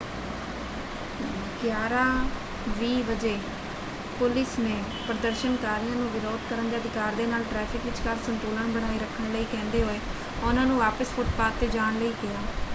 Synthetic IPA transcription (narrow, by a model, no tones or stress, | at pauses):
ɡjaːɾaː | ʋiːʋəd͡ʒeː | pʊlɪsneː | pɾəd̪əɾʃənkaːɾɪjãːnũːʋɪɾoːd̪kəɾənd̪eːəd̪ɪkaːɾd̪eːnaːlʈɾɛːpʰɪkʋɪt͡ʃkəɾsənt̪uːləɳbəɽaːiːɾəkʰːəɳləiːkɛ̃ːnd̪eːɦoːeː | ʊnãːnũːʋaːpəspʰʊʈpaːt̪ːeːd͡ʒaːɳləiːkɪjaː